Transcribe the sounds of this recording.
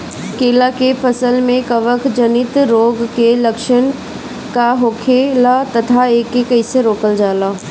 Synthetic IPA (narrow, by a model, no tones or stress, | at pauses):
keːlakepʰəsəlmẽkɐʋəkd͡ʒənɪt̪ɾoːɡkelɐkʃən | kaɦoːkʰelat̪ɐt̪ʰaeːkːekɐiseɾoːkəld͡ʒaːlaː